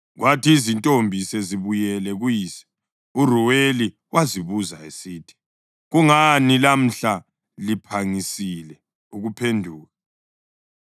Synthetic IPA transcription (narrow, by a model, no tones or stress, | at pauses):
ɣwatʰiːzintʼombʱisɛziβujɛlɛɣujiːsɛ̥ | uruweli | wʔaziβuzaesiːtʰi̥ | ɣuŋanilam̩ɬa | lipʰaŋisilɛ | uɣupʰendʱuːɣa